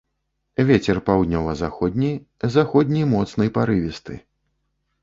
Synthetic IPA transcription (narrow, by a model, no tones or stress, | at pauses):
vʲet͡sʲɛrpawd̪ʲnʲɔwɐzaxɔd̪ʲnʲij | zaxɔd̪ʲnʲijmɔt̪snɨjpaɾɨvʲist̪ɨ̰